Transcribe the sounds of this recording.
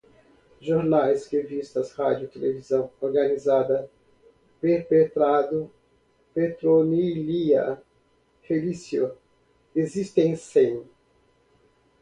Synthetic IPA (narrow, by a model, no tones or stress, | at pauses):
ʒoɾnajshevist̪ɐshad͡ʒʊit̪elevizɐ̃w̃oɾɡanizad̪ɐ | peɾpet̪ɾad̪ʊ | pet̪ɾoniliɐ | felisio | ezist̪ẽj̃sẽj̃